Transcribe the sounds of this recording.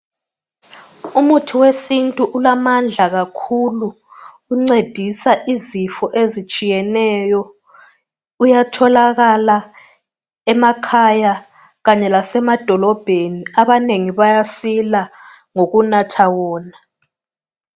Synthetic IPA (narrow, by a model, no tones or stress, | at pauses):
umutʰuwesintʼuʔulamand͡ɮʱaɣakʰuluː | ŋ͡ǀed̥ʱisaʔizifɔʔezit͡ʃʼijɛnɛjɔ | ujatʰɔlaɣala | ɛmakʰaja | ɣaɲɛlasɛmad̥ʱɔlɔb̥ʱeniaβaneŋiβajasila | ŋoɣunatʰawɔːna